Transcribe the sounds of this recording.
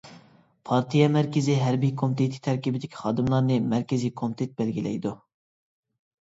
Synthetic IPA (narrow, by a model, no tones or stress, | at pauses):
pʰɑɾt̪ʰijɛmæɾkʲɪziɦæɾbijkʰomt̪et̪ʰɪ̥t̪ʰæɾkʲibɪd̪ɪkʲʰi̥χɑːd̪ɨmlˠɑɾnɨmæɾkʲizijkʰomt̪ʰɪt̪̚bælɡʲilɛ̰jd̪u